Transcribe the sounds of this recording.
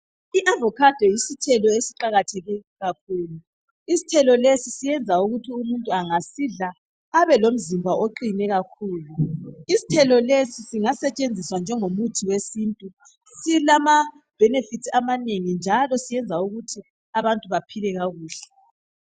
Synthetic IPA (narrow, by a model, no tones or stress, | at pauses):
iʔavɔkʰad̥ʱɛjisitʰɛlɔesiǃaɣatʰɛɣiɣak̚ʰuːlu | isi̥tʰɛlɔlesisijɛnd͡zʱauɣutʰiumuntʼuaŋasiɮa | aβɛlom̩zimbʱaʔoǃinɛɣakʰuːluisi̥tʰɛlɔlesisiŋasɛt͡ʃʼend͡zʱiswand͡ʒʱɛŋomutʰiwesiːntʼu | silama | b̥ʱɛnefitʰamaneŋind͡ʒʱalɔsijɛnd͡zʱauɣutʰi | aβantʼuβapʰilɛɣaɣuːɬɛ̥